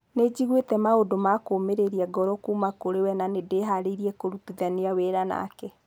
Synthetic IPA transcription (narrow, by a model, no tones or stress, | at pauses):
ned͡ʑiɣwetɛmaodomakoːmeɾeɾiaɡɔɾɔkuːmakoɾewɛnanedeɦaɾeiɾiɛkoɾutuðaneaweɾana̰kɛ